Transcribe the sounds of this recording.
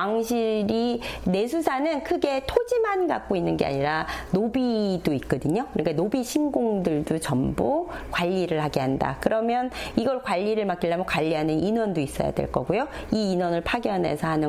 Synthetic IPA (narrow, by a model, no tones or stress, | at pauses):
aŋɕʰiɾine̞s̬ʰusʰanɯnkʰɯɡe̞tʰod͡ʑimanɡa̰k̚k͈oinːɯnɡe̞̰a̰ɲiɾanobidoik͈ʌdɯɲokɯɾik͈anobiɕʰinɡoŋdɯɭdot͡ɕʌmbokwaʎːiɾɯɭhaɡeɦanda̰kɯɾʌmjʌniɡʌɭkwaʎːiɾɯɭmak͈iɭːamokwaʎːiɦanɯnʔinwʌndois͈ʌ̰ja̰dwḛɭk͈ʌɡujo | iːnwʌnɯɭpʰaɡjʌnɦe̞̰sʰʌɦanɯ